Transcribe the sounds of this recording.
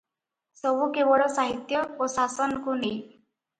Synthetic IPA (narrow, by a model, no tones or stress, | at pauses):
səbukebɔɽɔsaɦit̪jəosasɔnkuni